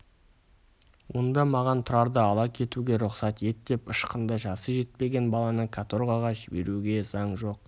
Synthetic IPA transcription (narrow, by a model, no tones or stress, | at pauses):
wo̞nd̪ɑmɑʁɑnt̪ʰʊɾɑɾd̪əɑlˠɑkʲʰe̞t̪uɡʲe̞ɾʊqsɑt̪je̞t̪d̪e̞pəʃqənd̪əʒɑsəʒe̞t̪̚pe̞ɡʲe̞nbɑlˠɑnəkʰat̪oɾʁɑʁɑʒɪbe̞̰ɾuɡʲe̞z̥ɑɴʒo̞q̚